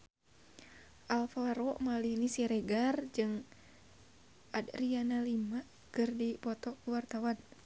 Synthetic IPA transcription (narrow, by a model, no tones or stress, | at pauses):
ʔalfaɾɔmalihnisiɾɛɡard͡ʒɨŋ | ʔadrianalima | kɨrdipɔt̪ɔkuwart̪awan